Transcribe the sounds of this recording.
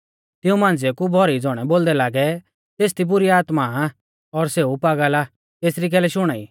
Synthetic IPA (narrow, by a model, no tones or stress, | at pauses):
t̪ɪũmãːnd͡zekubʱɔɾid͡zɔːɽ̃ɛboːld̪ɛlaːɡɛ | t̪eːs̬t̪ibʊɾiaːt̪ma | ɔɾseːupaːɡala | t̪eːsɾik̬ɛːlɛʃʊɽ̃aːḭː